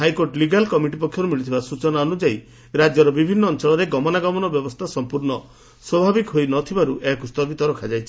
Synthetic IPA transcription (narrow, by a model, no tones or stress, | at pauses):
ɦajkoɾʈliɡalkɔmiʈipɔkʰjɔɾumiɭit̪ʰibasut͡ʃɔnaɔnud͡ʒai | ɾad͡ʒjɔɾɔbibʱinːɔːnt͡ʃɔɭɔɾeɡɔmɔnaɡɔmɔnɔbjɔbɔst̪ʰasɔmpuɾnɔ | swɔbʱabikɦojnɔt̪ʰibaɾuʔekust̪ɔbit̪ɔɾɔkʰad͡ʒajt͡ʃʰi̥